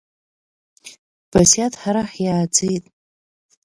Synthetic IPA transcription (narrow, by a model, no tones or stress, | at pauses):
b̥asjatʰħaɾaħjaːd͡zejtʼ